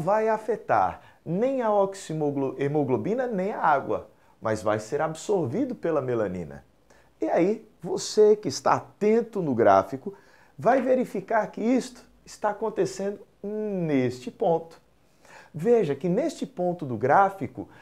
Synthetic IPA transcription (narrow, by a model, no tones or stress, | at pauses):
vajafet̪a̰ɾ | nẽj̃ɐɔksiolemoɡlobĩnɐnẽj̃aaɡwɐ̰ | mɐzva̰jseɾabsoɾvid̪ʊpelɐmelɐ̃nḭ̃nɐ̰ | iai | vosekɪːst̪a̰at̪ẽnt̪ʊnʊɡɾa̰fikʊ | vajveɾifikaɾkɪist̪ʊ̥ | ɪst̪aːkõnt̪esẽnd̪ʊnest͡ʃɪpõt̪ʊ̥ | veʒɐkɪnest͡ʃɪpõnt̪ʊd̪ʊɡɾafikʊ